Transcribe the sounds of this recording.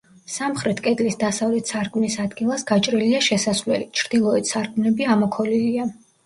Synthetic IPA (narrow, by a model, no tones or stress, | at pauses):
samχɾɛt̪ʰkʼɛd̪lisd̪asavlɛt̪ʰsaɾkʼmnisad̪ɡilˠasɡ̥at͡ʃʼɾiliaʃɛsasvlɛ̰lit͡ʃʰɾd̪̥ilˠɔɛt̪saɾkʼmnɛbiamɔkʰɔlilia